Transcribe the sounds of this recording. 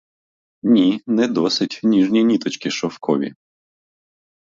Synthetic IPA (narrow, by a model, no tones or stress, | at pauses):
nʲinɛd̪ɔsɪtʲnʲiʒnʲinʲit̪ɔt͡ʃkɪʃɔfkʰɔʋʲḭ